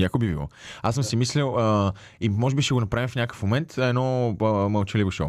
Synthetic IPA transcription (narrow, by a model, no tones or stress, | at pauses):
jakobibilˠɔ̰asəmsɛmislɛlˠə | imɔʒɛbiʃɛɡonɐpɾavʲifnʲakə̥fmomɛnt̪ɛd̪nɔməlˠt͡ʃɛlivoʃo̰